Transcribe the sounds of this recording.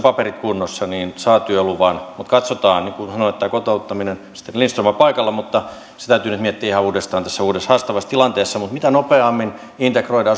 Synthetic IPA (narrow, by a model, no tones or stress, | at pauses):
pɑperit̪kunːosːɑniːnsɑːt̪yøoluʋɑnmut̪kɑt̪sot̪ɑːnnikusɑnoet̪ːæːkot̪oˑut̪ːɑminensi̥t̪ːenlinst̪rumɑpɑikɑlːɑmut̪ːɑ | se̥t̪æyt̪yːnyt̪miet̪ːiæihɑuːdest̪ɑːnt̪æsːæuːdeshɑst̪ɑʋɑst̪ilɑnt̪eːsːɑmut̪mit̪ænopeɑmːin | int̪ekroidɑː